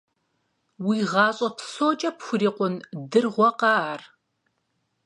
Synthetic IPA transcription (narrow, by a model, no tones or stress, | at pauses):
wiːʁɑːɕʼɐpʰsoːt͡ʃʼɐpxʷʊriːqʷʊndɨrʁʷɔqɑːar